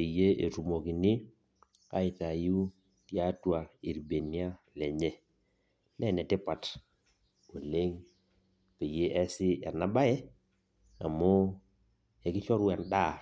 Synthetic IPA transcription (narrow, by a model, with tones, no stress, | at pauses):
e˨je˦ʔe˨tu˨mo˨ki˨nɪ˦ | a̰˦ɪ˨ta˨ju˦ | tja˦twa˨i˨ɾbe˨ni˦a˦lɛ˨ɲe˦ | nɛ˦˨nɛ˨tɪ˦pa˨t | o˨le˦ŋ | pe˨je˦ʔɛ˦sɪ˦ɛ˨na˦ba˦ɛ˦ | a̰˨mɔ˦ | ɛ˨kɪ˦t͡ʃɔ˦ɾwɛ˨nda˦˨